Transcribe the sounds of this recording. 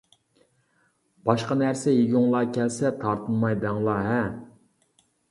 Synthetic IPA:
b̥ɑʃqɑnæɾsɛjeɡʲuŋlˠɑːkʲʰɛlsɛt̪ʰɑɾt̪ʰɨnmɑjd̪ɑŋlˠɑɦɛ

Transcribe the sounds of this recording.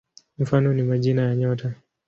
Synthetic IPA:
m̩fanɔnimaʄinajaɲɔta

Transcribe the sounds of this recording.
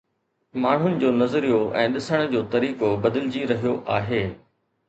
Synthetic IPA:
maːɳ̤ʊnɪ̆d͡ʑoːnɐzɾijoʔɛ̰̃ːɗɪsəɽ̃ʊ̆d͡ʑoːt̪ɐɾiːkobɐd̪ɪlɪd͡ʑiɾɐɦijoʔaːɦeː

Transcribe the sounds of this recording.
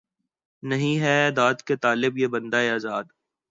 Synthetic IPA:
nɐɦĩɦɛd̪aːd̪ket̪aːlɪbjebɐ̃nd̪aeaːzaːd̪

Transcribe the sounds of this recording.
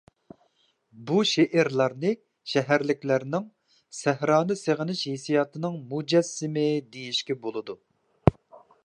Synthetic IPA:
buʃeʔæɾlˠɑɾnɨ | ʃɛɦæɾlɪkʲlæɾnɪŋ | sæhɾɑːnɨseʁənɪʃhesijɑːt̪ʰɨnɨŋmud͡ʒɛsːɪmɪd̪ejiʃkʲɛbolˠɨd̪u

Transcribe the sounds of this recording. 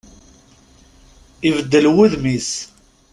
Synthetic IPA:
ivəd̪ːəlwuðmis

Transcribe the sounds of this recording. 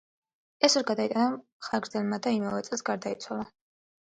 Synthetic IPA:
ɛsɔɾɡad̪ait̪ʼana | χaɡɾd̪zɛlˠmad̪aimaɾɛt̪sʼɛlˠsɡaɾd̪ait̪sʰwalˠa

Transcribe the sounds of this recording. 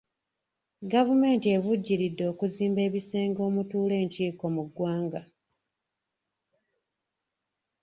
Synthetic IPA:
ɡavume̞ːntie̞βuɟːiɾidːo̞ːkuziːmbe̞ːβise̞ːŋɡo̞ːmutuːle̞ːɲciːko̞muɡwaːŋɡa

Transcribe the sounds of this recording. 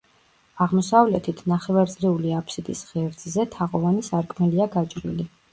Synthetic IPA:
aʁmɔsavlɛt̪ʰit̪ʰnaχɛvaɾt̪ʼliuliapʰsid̪ḭsʁɛɾd̪zzɛt̪ʰaʁʼɔvanisaɾkʼmɛliaɡat͡ʃʼɾḭli

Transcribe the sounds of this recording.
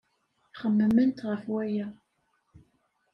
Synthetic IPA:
χəmːəmənt̪ʁəfwæjæ

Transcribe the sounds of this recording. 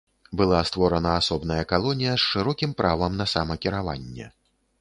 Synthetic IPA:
bɨlˠast̪vɔɾɐnɐasɔbnɐjɐkalˠɔnʲijɐsʂɨɾɔkʲimpɾʔavɐmnɐsamɐkʲiɾava̰nʲːɛ̰

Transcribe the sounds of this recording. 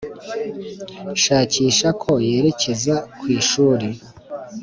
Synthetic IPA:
ʃaːciːʃakʰo̞je̞ːɾe̞ce̞zakwiːʃuːɾe

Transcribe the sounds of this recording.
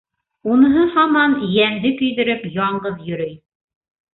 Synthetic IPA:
unɤ̆ɦɤhɑmɑnjæŋd̪ɘkɵ̆jðɘ̆ɾɘpjɑɴɢɤðjɵ̆ɾɘj

